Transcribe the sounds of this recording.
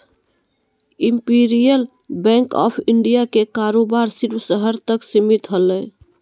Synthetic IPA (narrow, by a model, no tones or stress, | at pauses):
impiɾijəl | bɛ̃ŋkɔ̰pʰiɳɖijakekaɾobaɾsiɾbsəɦəɾt̪əksimit̪ɦələ